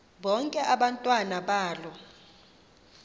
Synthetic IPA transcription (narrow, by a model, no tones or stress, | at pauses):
ɓɔŋkʼɛʔaɓantʼwanaɓaːlɔ